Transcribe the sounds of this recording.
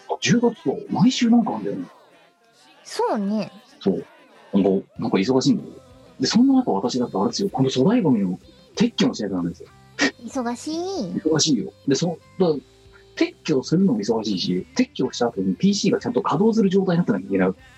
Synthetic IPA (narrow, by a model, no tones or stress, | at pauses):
ɑd͡ʑɨːɡat͡sɨ̥d̪o̰maiɕɨːnãŋkãːnd̪ajo̰ne | soːne | so̞̰ː | ŋkonãŋkais̬o̞ɡaɕiːnd̪esjo | d̪e̞sõ̞nːanakaβat̪aɕid̪ak̪et̪aɾed̪esɨjoko̞nd̪oso̞ɾaiɡomiɲimo | t̪ʰe̞kʲːõmoɕiakenãnd̪sɨjo | isoɡaɕiiso̞ɡaɕiːjo̰d̪e̞sod̪a | t̪ʰe̞kʲːo̞ːsɨɾɯ̟no̞moiso̞ɡaɕiːɕit̪ʰe̞kʲːo̞ːɕi̥t̪aːt̪oɲ̟ipʲiːɕiːɡat͡ɕãnt̪okʰad̪o̞ːs̬ɨɾɯ̟ʑo̞ːt̪aiɲinat̪ːenakaikʲenaɯ̟